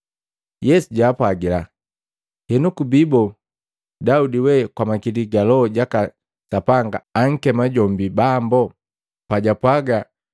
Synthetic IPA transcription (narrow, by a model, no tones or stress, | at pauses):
jɛsuɟaːpwaɡila | hɛnukubibɔ | daudiwɛkwamakiliɡalɔɟaka | sapaŋɡaːŋ̩kɛmaɟɔmbibambɔ | paɟapwaɡa